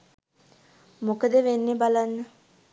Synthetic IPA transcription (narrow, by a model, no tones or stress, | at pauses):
mokəd̪əʋenːebalanːə